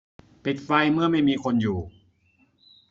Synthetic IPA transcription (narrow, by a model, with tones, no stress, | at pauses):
pi˨˩t̪̚fa˧jmɯ˥˩ɐəma˥˩jmiː˧kʰo˧njuː˨˩